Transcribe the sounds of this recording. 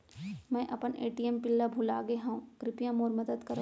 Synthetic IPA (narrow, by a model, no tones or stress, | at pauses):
mɛ̃ːʔɐpəneːʈiɛmpɪlːabʱulaːɡeɦãũkɾɪpjãmoːɾmɐd̪əd̪kɐɾ